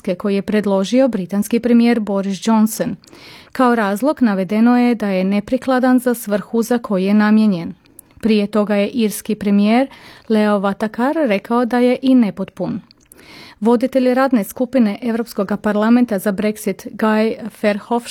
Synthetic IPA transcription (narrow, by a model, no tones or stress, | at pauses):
ke̞ko̞jije̞pɾe̞d̪lˠo̞ʒio̞bɾit̪anskipɾe̞mije̞ːɾbo̞ɾisd͡ʒo̞nsonkao̞ɾaːzlˠoɡnaʋe̞d̪e̞no̞je̞d̪aje̞ne̞pɾiklˠad̪anzasʋr̩xuzakʰo̞jije̞namje̞ɲe̞n | pɾije̞t̪o̞ɡaje̞ʔiɾskipɾe̞mije̞ːɾle̞o̞ʋat̪akaɾːe̞kao̞d̪aje̞ʔine̞po̞t̪pun | ʋo̞d̪it̪e̞ʎiɾaːd̪ne̞skupine̞ʔe̞ʋɾo̞psko̞ɡapaɾlˠame̞nt̪azabɾe̞ksit̪ɡajfeɾxof